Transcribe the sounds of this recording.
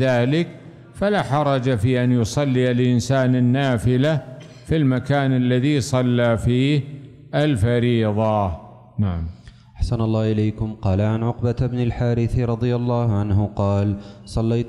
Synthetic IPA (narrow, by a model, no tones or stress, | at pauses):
ðaːlɪk | falaħɑɾˤɑd͡ʒafiːʔanjʊsˤɑlːialʔɪnsaːnanːaːfɪla | filmakaːnalːaðisˤɑlːaːfiːh | ʔalfɑɾiːðˤɑ | naʕam | ʔaħsanɑlˤːɑːʔɪleːkʊmqɑːlaʕanʕʊqbabnalħaːɾɪθɾˤɑd̪ˤɨjalˤːɑːhʕanhʊqɑːlsˤɑlːajt̪